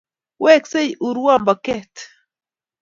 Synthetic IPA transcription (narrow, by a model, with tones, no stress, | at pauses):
wɛ˦kse˦jʔu˨ɾu˦wa˦˨mba˨kɛ˦t